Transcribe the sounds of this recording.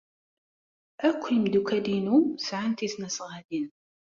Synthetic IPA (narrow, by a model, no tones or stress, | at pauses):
ʔækʷːjəmd̪ukælinusʕant̪isnæsʁæd̪in